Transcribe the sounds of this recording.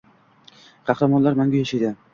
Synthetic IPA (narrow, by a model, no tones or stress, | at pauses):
qʰɑhɾamɒnlaɾmaŋɡʲajaʃajd̪ɪ